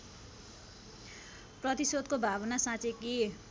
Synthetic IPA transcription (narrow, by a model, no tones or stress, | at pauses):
prʌt̪isod̪̚kobʱabʌnasãt͡seki